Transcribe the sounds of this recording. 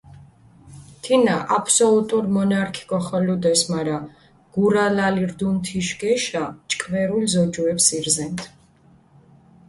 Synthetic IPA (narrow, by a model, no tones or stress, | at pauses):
t̪ʰinaʔapʰsɔlut̪ʼuɾmɔnaɾkʰi̥ɡʼɔχɔlud̪ɛsmaɾa | ɡ̥uɾalaliɾd̪unt̪ʰiʃɡɛʃat͡ʃʼkʼvɛɾulzɔd͡ʒuɛpsiɾzɛnt̪ʰ